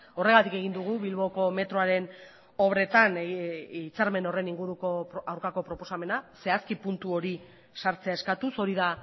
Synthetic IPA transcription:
o̞re̞ɣat̪ike̞ɣ̞ind̪uɣ̞uβilβo̞ko̞me̞t̪ɾo̞aɾe̞n | o̞βɾe̞t̪anit͡saɾme̞no̞re̞niŋɡuɾuko̞awɾkako̞pɾo̞po̞same̞nase̞askipunt̪uo̞ɾi | saɾt͡se̞ae̞skat̪uso̞ɾiða

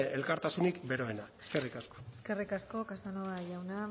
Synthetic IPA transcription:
elkaɾt̪asunikbe̞ɾo̞enae̞ske̞rikasko̥eske̞rikasko̞kasanoaʝawna

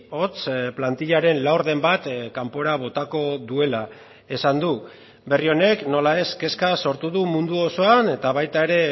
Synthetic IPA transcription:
o̞t͡splant̪iʎaɾe̞nlawɾðe̞mbat̪kampo̞ɾaβ̞o̞t̪ako̞ðue̞la | e̞sand̪u | be̞rio̞ne̞kno̞lae̞ske̞skaso̞ɾt̪uðumund̪uo̞so̞ane̞t̪aβajt̪ae̞ɾe̞

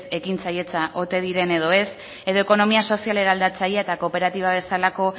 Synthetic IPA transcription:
se̞kint͡saje̞t͡saʔot̪e̞ðiɾe̞ne̞ð̞o̞e̞s | eðo̞e̞ko̞no̞miaso̞sijale̞ɾaːld̪at͡sajeaet̪ako̞pe̞ɾat̪iβ̞aβ̞e̞salako̞

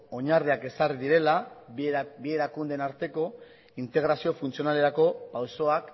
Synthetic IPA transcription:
o̞ɲarðiake̞sariðiɾe̞la | bie̞ɾakund̪e̞naɾt̪e̞ko̞ | int̪e̞ɣ̞ɾasio̞funt͡sio̞nale̞ɾako̞pawso̞ak

